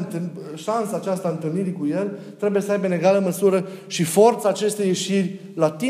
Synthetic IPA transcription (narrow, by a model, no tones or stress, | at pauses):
nt̪ɨʃansaːt͡ʃast̪aɨnt̪ɨlniɾikuje̞l | t̪ɾe̞buje̞səajbeɨne̞ɡaləməsuɾəʃifo̞rt̪saːt͡ʃe̞st̪ejːe̞ʃirʲ | lat̪i